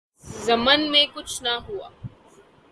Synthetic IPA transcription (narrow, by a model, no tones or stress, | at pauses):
zɐmənmẽkʊt͡ʃʰnaɦua̰ː